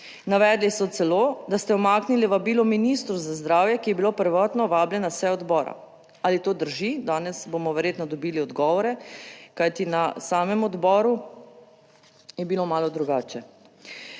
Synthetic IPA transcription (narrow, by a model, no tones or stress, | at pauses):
naʋɛːd̪lisɔt̪sɛloːd̪ast̪ɛɔmaːkniliʋabiːlɔminist̪ɾuzazd̪ɾaːwjɛkijɛbilopəɾʋɔːt̪nɔʋaːbljɛnasɛɔd̪bɔːɾa̰ | alit̪oːd̪əɾʒid̪aːnɛsbomɔʋɛɾjeːt̪nɔd̪ɔbiːliɔd̪ɡɔːʋɔɾɛkajt̪inasaːmɛmɔd̪bɔːɾu | jɛbilomaːlɔd̪ɾuɡaːt͡ʃɛ